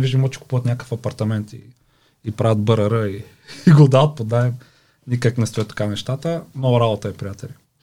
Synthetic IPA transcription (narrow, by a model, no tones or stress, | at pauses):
viʒd̪imɔt͡ʃɛ̥ku̥puvət̪nʲakə̥fɐpɐɾt̪ɐmɛnt̪ḭː | pɾavɐt̪̚bəɾɐɾəi | iɡod̪aət̪̚pod̪naɛm | nʲikəknɛst̪oɛt̪ːɐ̥kanɛʃt̪at̪əmnɔɡʊɾabot̪əɛpɾijat̪ɛlʲi